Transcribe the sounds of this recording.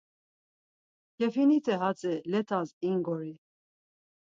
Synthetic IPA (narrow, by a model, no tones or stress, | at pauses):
kʰɛfinit̪ʰɛɦat͡sʼɛlɛt̪ʰaziŋɡɔɾi